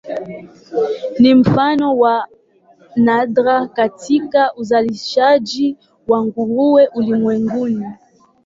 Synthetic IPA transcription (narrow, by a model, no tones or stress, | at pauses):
nim̩fanɔwa | nadɾakatikaʔuzaliʃad͡ʒi | waŋɡuɾuwɛʔulimwɛŋɡuni